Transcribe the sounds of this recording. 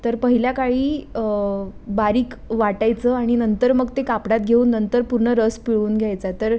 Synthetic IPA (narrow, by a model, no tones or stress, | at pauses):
t̪əɾpəɦiljakaɭiː | baɾiːkʋaʈajt͡səaɽ̃inənt̪əɾməɡt̪ekapɽat̪ɡʱeuːnːənt̪əɾpuɾɳəɾəspiɭuːnɡʱjajt͡sat̪əɾ